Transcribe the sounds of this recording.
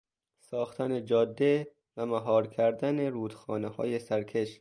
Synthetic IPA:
sɒːxt̪ʰæned͡ʒɒːd̪ːe | væmæɦɒːɾkʲʰæɾd̪æne̞ɾuːd̪xɒːnehɒ̰ːje̞sæɾkʰe̞ʃ

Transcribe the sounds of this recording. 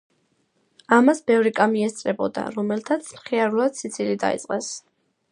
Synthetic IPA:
amasbɛvɾikʼamiɛst̪sʼɾɛbɔd̪a̰ɾɔmɛlt̪ʰat̪sʰmχiaɾulˠad̪̥sit̪sʰilid̪a̰ḭt̪sʼqʼɛs

